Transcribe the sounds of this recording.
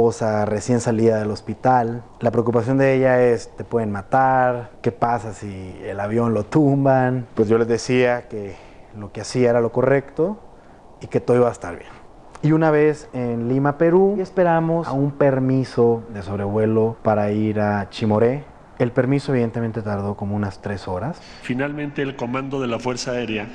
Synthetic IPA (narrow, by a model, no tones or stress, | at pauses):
osare̞sje̞nsaliðaðelo̞spit̪al | lapɾeokupas̬jo̞nd̪eeʝaest̪e̞pwe̞ðenmat̪aɾke̞pasasiḛlaβjo̞nlo̞t̪umbanpwe̞zʝo̞le̞zðe̞siake̞ | lo̞keasiaeɾalo̞ko̞re̞kt̪o | iket̪ooiβaest̪a̰ɾβjen | iunaβe̞senlimape̞ɾuespe̞ɾamo̞sumpe̞ɾmiso̞ðe̞so̞βɾe̞βwe̞lo̞paɾaiɾat͡ʃimo̞ɾe | elpe̞ɾmisoβiðe̞nt̪e̞me̞nt̪e̞t̪aɾðo̞ko̞mo̞unast̪ɾe̞so̞ɾas | finalmẽnt̪eːlko̞mãnd̪o̞ðelafwe̞ɾsaːeɾja